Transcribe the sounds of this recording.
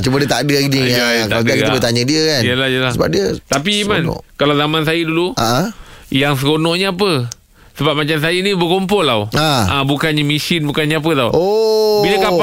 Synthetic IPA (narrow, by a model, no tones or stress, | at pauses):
t͡ʃumədiət̪adəaɡiniajak̪adkabət̪aɲədiəkanjəlajəlasəba̰p̚diət̪ap̬iːman̰kalawzamansajəduluaʔə̃jaŋs̬əkonɔ̃ʔɲəap̬ə | səbap̚mat͡ʃams̬ajənibəkomp̬ɔlawaabukanɲəmisɪnbukanɲaap̬ət̪awobilaka